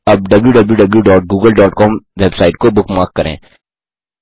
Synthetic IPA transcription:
ɐb̚ɖɐbljuɖɐbljuɖɐbljuɖɔːʈ̚ɡuːɡəlɖɔːʈkɔːmʋebsaːɪʈ̚kobʊkmaːɾkːɐɾḛ̃ː

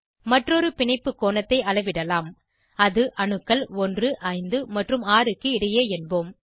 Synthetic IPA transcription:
mɐʈrɔɾɯpɪɳɐɪpːɯkːoːnɐt̪ːɐɪɐɭɐɪʋɪɽɐlaːm | ɐðɯʔɐɳɯkːɐɭɔndrɯʔɐɪnd̪ɯmɐʈrɯmaːrɯkːɯɪɽɐjeːɛnboːm

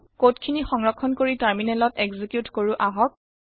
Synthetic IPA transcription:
kotkʰinixɔŋɹɔkʰːɔnkoɹitaɹminɛlɔtɛɡzikjutkoɹuʔaɦɔk̚

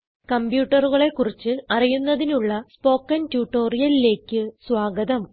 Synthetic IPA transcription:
kɐmbjuːʈːɐruɣɐɭe̞kːurit͡ɕːɨɐrijunːɐðinuɭːɐspo̞ːkːɐntjuːʈːo̞ːrijɐlile̞ːkʲːɨswaːɡɐðɐm

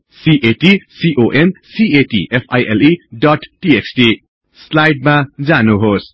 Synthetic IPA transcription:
siʔeʈisiʔoʔensieʈḭʔepʰa̰jʔeliɖɔʈːiesʈi | slajɖ̚mad͡zanuɦos

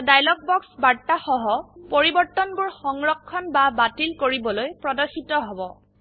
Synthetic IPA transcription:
dajlɔk̚bɔksbaɹtaxɔɦɔpoɹibɔɹtːɔnbʊɹxɔŋɹɔkʰːɔnbabatilkoɹibɔlojpɹɔdɔɹxitɔɦɔbɔ

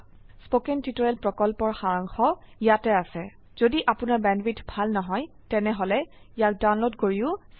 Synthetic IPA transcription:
spokɛntitɔɹɛlpɹɔkɔlpɔɹxaɹaŋxɔ | ijatɛasɛ | z̥odiʔapʊnaɹbɛnbitbʱalnɔɦɔj | tɛnɛɦɔlɛ | ijak̚danlotɡoɹiʊ

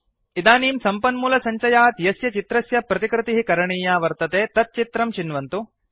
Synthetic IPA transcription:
id̪aːniːmsɐmpɐnmuːlɐsɐɲt͡ʃɐjaːt̪jɐsjɐt͡ʃit̪ɾɐsjɐpɾɐt̪ikɾɪt̪iɦikɐɾɐɳiːjaːʋɐɾt̪ɐt̪eːt̪ɐt̪̚t͡ʃit̪ɾɐmt͡ʃinʋɐnt̪u

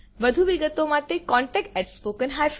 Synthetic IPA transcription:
ʋəd̪ʱuʋiɡət̪omat̪ekɔ̃ɳʈɛkʈɛʈspokənɦajf

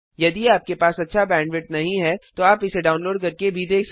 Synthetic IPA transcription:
jɐd̪iaːp̚kepaːsɐtːʃʰabɛ̃ːɳɖʋɪʈ̚nɐɦĩɦɛt̪oaːpɪseɖaːʊnloːɖ̚kɐɾkebʱid̪eːks

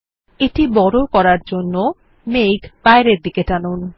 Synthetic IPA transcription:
eʈibɔɾokɔɾaɾd͡ʑonːo | mejkbaeɾeɾd̪ikeʈanun

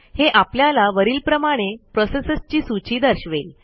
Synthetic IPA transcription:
heʔapljalaʋəɾiːlpɾəmaɽ̃epɾɔsesəst͡ɕiːsut͡ɕiːd̪əɾɕʋel

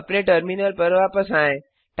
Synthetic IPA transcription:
pnẽʈəɾminəlpəɾʋapəsãẽ | t̪

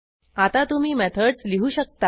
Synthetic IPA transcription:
at̪at̪um̤iːmɛt̪ʰəɽt͡sliɦuːɕək̚t̪a

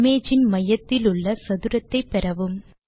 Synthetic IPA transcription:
meːd͡ʒɪnmɐjɐt̪ːɪlʊɭːɐsɐðɯɾɐt̪ːɐɪpːɛɾɐʋɯm

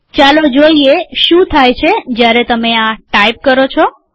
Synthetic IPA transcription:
t͡ʃalod͡ʒoieʃũt̪ʰajt͡ʃʰed͡ʒjaɾet̪əmeãʈaip̚kəɾot͡ʃʰɔ

